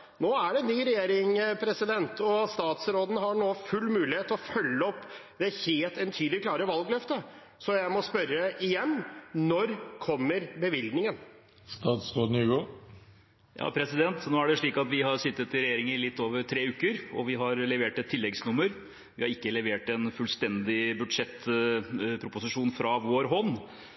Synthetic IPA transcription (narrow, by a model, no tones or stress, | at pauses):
noːæɖɛnyːɾɛjeːɾɪŋpʰɾɛsɪd̪ɛnt̪ʰɔst̪ɑːt̪sɾoːd̪n̩ɦɑɳoːfʉlːmʉːlɪheːt̪ɔfœlːəɔpː | d̪ɛheːlt̪ɛnt̪ʰyːd̪lɪkʰlɑːɾəʋɑlɡlœft̪ə | sɔjæɪmɔspœɾːəɪjɛnːnɔɾkʰɔmːəɾbəʋɪld̪nɪŋən | st̪ɑːt̪sɾoːd̪nyːɡoː | jʔɑ̰ːpʰɾɛsɪd̪ɛnt̪noːæɖɛʂɭiːkɑt̪ʋɪɦɑɾʂɪt̪ːət̪ɪɾɛjeːɾɪŋəɪlɪt̪ːoːʋəɾʈʰɾeːʉːkəɾɔʋɪɦɑɾlɛʋeːʈɛt̪ʰːɪlːɛɡsnʊmːəɾ | ʋɪhɑɾɪkːəlɛʋeːʈɛnfʉlst̪ɛnd̪ɪbʉd̪ʂɛt̪ː | pʰɾʊpʊsɪʂuːnfɾɑʋoːɾɦɔnː